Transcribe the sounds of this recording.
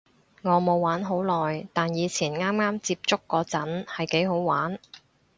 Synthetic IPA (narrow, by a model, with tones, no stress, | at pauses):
ŋɔː˨˧mo˨˧wwaː˨˥nɦo˨˥wlɔː˨jt̪aː˨njiː˨˧t͡sʰiː˨˩nŋaː˥mŋaː˥mt͡siː˧p̚t͡sʊ˥kːɔː˧t͡sɐ˨˥nhɐ˨jke˨˥jɦo˨˥wwaː˨˥n